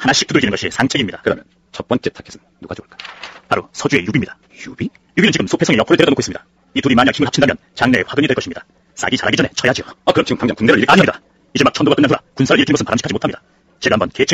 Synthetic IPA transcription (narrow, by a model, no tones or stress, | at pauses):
hanaɕ͈ʰi̥kt͈udɯɭd͡ʑinɡʌɕʰisʰaŋt͡ɕ͈ʰeɡimɲidakɯdamjʌn | t͡ɕʌp͈ʌnt͡ɕ͈etʰakʰesʰɯ | nːuɡ̥aoɭk͈ḁpaɾosʰʌd͡ʑue̞jubimɲidḁ | jubi | juɡinɯnt͡ɕiɡɯmsʰopʰesʰʌŋejʌpʰoɯɭdwedʌnokois͈ɯmɲida | ituɾimaɲakʰhʰimɯɭhapt͡ɕʰindamjʌ̰nt͡ɕaŋne̞waɡɯɲidweɭkʌɕʰimɲida | s͈a̰ɡit͡ɕa̰ɾaɡid͡ʑʌnet͡ɕʰʌjad͡ʑioakɯɾʌmt͡ɕiɡɯmkaŋd͡ʑʌŋkuŋneɾɯɾikaɲimɲida | id͡ʑemak̚t͡ɕʰʌndoɡakɯnːantʰuɾakunsʰaɾɯɭiɭkʰinɡʌsɯnpaɾamɕikʰad͡ʑimotʰamɲida | t͡ɕe̞ɡambʌnket͡ɕʰe